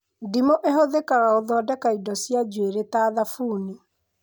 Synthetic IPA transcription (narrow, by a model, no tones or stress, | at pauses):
dimoʔeɦoðekaɣaoðɔːdɛkaidɔsjad͡ʒweɾetaːðafuːni